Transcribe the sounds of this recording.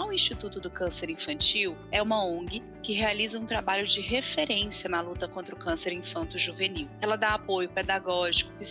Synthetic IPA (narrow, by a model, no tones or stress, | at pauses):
ʊĩst͡ʃit̪ut̪ʊd̪ʊkɐ̃seɾĩfɐ̃nt͡ʃiwɛũmɐõɡɪ | kɪɦealizɐũt̪ɾabaʎʊd͡ʒɪɦefeɾẽsiɐnɐlut̪ɐkõnt̪ɾɐʊkɐ̃seɾĩfɐ̃nt̪ʊʒuveniwɛlɐd̪aapojʊped̪aɡɔʒikʊ̥kɪ